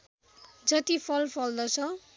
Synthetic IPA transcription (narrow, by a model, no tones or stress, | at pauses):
d͡zʌt̪ipʰʌlpʰʌld̪ʌt͡sʰʌ